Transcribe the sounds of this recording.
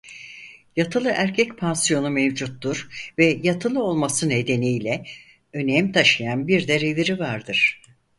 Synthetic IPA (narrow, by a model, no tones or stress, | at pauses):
jat̪ʰɯlˠɯʔæɾcʰɛcpʰansijo̞numevd͡ʒut̪ːuɾ̥vɛjat̪ʰɯlˠɯo̞lˠmasɯne̞d̪e̞nijlʲɛ | ø̞nɛmt̪ʰaʃɯjanbiɾd̪eɾeviɾivaɾd̪ɯɾ̥